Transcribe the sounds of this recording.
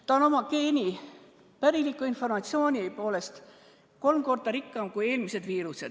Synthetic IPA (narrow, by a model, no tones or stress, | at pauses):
t̪ɑno̞mɑke̞ːnʲi | pæɾilikːˑuinfo̞rmɑt̪sio̞ːnʲipo̞ːle̞st̪ | ko̞lmko̞rd̪̥ɑɾikːˑɑmkuje̞ːlmise̞d̪viːɾuse̞d̪̥